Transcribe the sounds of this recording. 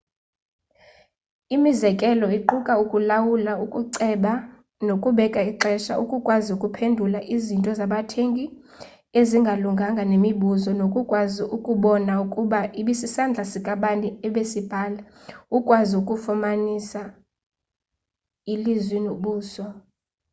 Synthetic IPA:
imizɛkʼɛlɔiǃukʼaukʼulawulaukʼuǀɛɓa | nokʼuɓɛkʼaiǃɛʃa̰ʔṵkʼukʼwazukʼupʰendʱulaʔizintʼɔzaɓatʰeŋkʼi | eziŋɡʱaluŋɡʱaŋɡʱanemiɓuzɔnokʼukʼwaziʔukʼuɓɔnaukʼuɓaʔiɓisisand͡ɮʱasikʼaɓantʼiɛɓesib̥ʱaːla | ukʼwaziukʼufumanisa | ilizwinoɓuːsɔ

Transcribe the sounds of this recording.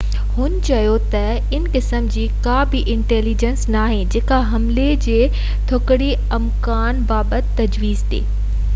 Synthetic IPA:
hʊnt͡ɕɐjot̪ɐ | ɪnkɪsəmd͡ʑiːkabɪʔɪ̃ɳʈeːlid͡ʑənsnaːɦẽd͡ʑeːkaɦɐmled͡ʑeː | t̪ʰoːkɪɽi | ɐmkaːnbaːbət̪ːɐd͡ʑʋiːzd̪ḛː

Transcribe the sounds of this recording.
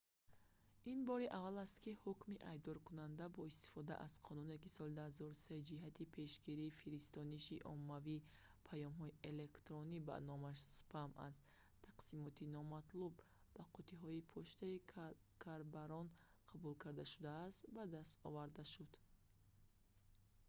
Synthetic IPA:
inbɔɾiʔavalast̪kihukmiʔajb̚d̪ɔɾkunand̪abɔist̪i̥fɔd̪a̰ʔaz̥qʰɔnune̞kisɔld̪azɔɾuse̞d͡ʒiɦat̪ʰipʰe̞ʃɡiɾiːfiɾist̪ɔniʃiʔɔ̰mːavi | pʰajɔmɦɔiʔe̞le̞kt̪ɾɔniba̰nɔmaʃspʰamʔa̰st̪ | t̪ʰaqsimɔt̪inɔmat̪lub | baqʰɔt̪ʰiɦɔipʰɔʃt̪ai | kʰaɾbaɾɔn | qʰabulkʰaɾd̪aʃud̪aːst̪bad̪ast̪ɔvaɾd̪aʃud̪̥

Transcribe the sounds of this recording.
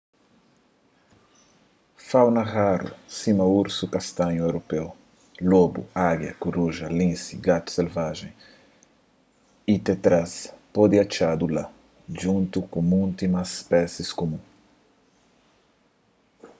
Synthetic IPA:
fawnɐɣaɾṵsimɐuɾsukast̪ãɲuewɾopew | lobṵaɡjɐ̰kuɾuʒɐlĩsiɡat̪u̥selvaʒẽj̃ | it̪et̪ɾaspod̪iat͡ʃad̪ula | ʒũnt̪ukũmũnt̪imaspɛsiskomũ

